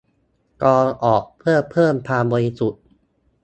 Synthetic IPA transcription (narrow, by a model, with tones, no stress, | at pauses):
kɔː˧ʔɔː˨˩k̚pʰɯ˥˩ɐpʰɤː˥˩mpʰaː˧bɔː˧ɾi˦˥su˨˩t̪̚